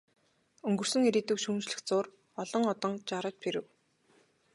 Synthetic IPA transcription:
ɵŋɡɵ̆r̥sɵ̆ŋeɾiːt̪ɘ̆kʃuːnt͡ɕɮɘ̆xt͡sʊːr | ɔɮɞ̆ŋɔt̪ɞ̆ŋt͡ɕaɾə̆t͡ɕpʰeɾɘ̆w

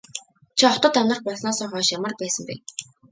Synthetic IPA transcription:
t͡ɕʰiɔt̪ə̆t̪awnə̆rpɔsnɔːsɔːχɔːʃjamə̆rpæːsə̆mpḛː

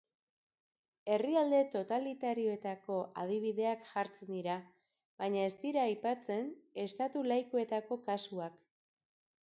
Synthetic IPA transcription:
e̞riald̪e̞t̪o̞t̪alit̪aɾio̞e̞t̪ako̞ʔað̞iβ̞iðe̞akʝaɾt͡send̪iɾa | βaɲae̞st̪iɾaːjpat͡se̞ne̞st̪at̪ulajkoe̞t̪ako̞kasuak

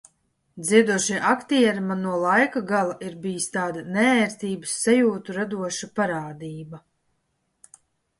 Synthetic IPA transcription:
d̪ziɛd̪uɔʃiʔakt̪iɛɾmanuɔlˠajkaɡalˠaʔiɾbijist̪aːd̪anɛɛːɾt̪iːbɨsːajuːt̪uɾad̪uɔʃapaɾaːd̪iːba

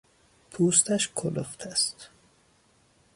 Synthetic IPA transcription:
pʰuːst̪æʃkʰoloxt̪ʰæst̪

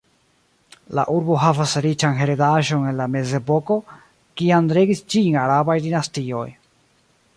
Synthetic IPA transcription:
la̰ʔuɾbo̞ɦavasɾit͡ʃanɦe̞ɾedaʒo̞ne̞nlame̞ze̞po̞ko̞ | kiandɾeɡist͡ʃiːnaɾabajdinastio̞̰j

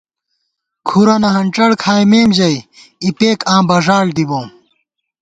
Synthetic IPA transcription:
kʰuɾɐnɐɦɐɳʈ͡ʂɐɽkʰaːjmeːmd͡ʑɐj | ipeːkãːbɐʐaːɽd̪ibõːm

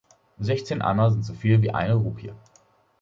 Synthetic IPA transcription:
zɛçt͡seːnʔa̰nɐzɪntz̥ofiːlviːʔa̰ɪnəʁuːpʰiə

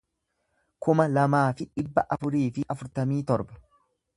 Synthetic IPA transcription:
kʊmɐlɐmaːfɪᶑɪbːɐʔɐfʊɾiːfɪʔɐfʊɾt̪ɐmiːt̪ɔɾbɐ̥

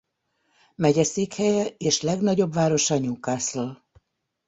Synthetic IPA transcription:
mɛɟɛseːkhɛjɛeːʃlɛɡnɒɟo̞bvaːɾo̞ʃɒɲuːkaːsloːl

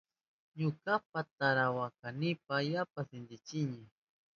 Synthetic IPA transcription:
ɲʊkap̚at̪aɾawakanɪpajapasɪnd̪ɪt͡ʃɪɲɪ

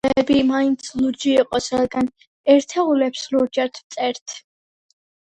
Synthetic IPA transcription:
ɛbimaint̪sʰlud͡ʒiːqʼɔsɾad̪ɡan | ɛɾt̪ʰɛulɛpsluɾd͡ʒɛɾt̪ʰvt̪sʼɛɾt̪ʰ

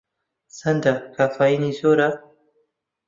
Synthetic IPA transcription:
sand̪akafainizoɾa

